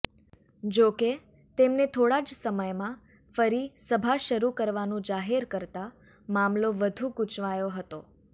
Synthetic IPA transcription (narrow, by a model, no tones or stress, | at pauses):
d͡ʒoke | t̪emnet̪ʰoɽad͡ʒsəməjmã | fəɾisəbʱaʃəɾukəɾʋanũd͡ʒaɦeɾkəɾt̪a | mamloʋəd̪ʱũɡut͡ʃʋajoɦət̪o